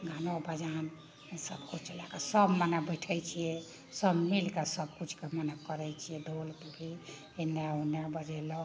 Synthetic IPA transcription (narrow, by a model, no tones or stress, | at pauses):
ɡʱanobʱəd͡ʒan | səbkut͡ʃʰt͡ʃəlakasəbmənəbəʈʰəjt͡ʃʰijɛ | səbmilkasəbkut͡ʃʰkemənəkkəɾɛt͡ʃʰijɛd̪ʱolt̪obʱi | eneunjabəd͡ʒɛlɔ